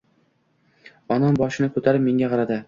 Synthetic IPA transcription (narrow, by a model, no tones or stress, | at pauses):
ɒnɒmbɒʃɪnɪkʰɵt̪ʰaɾɪpme̞ŋɡʲaqʰɑɾad̪ɪ